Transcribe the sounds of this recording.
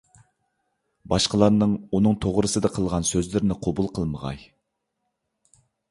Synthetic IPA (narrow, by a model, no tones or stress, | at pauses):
bɑʃqəlˠɑɾnɨŋunɨŋt̪ʰoʁɾɨsɨd̪ɨqʰəlˠʁɑnsøzlɪɾnɪqʰobulˠqʰəlˠməʁɑ̰j